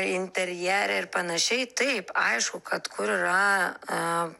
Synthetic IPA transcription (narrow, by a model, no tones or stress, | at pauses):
ɪnʲt̪ʲɛɾʲjɛɾʲɛɪɾpɐnɐʃʲɛɪt̪ɐɪpɐ̰ɪʃkukɐt̪kʰʊɾɾɐ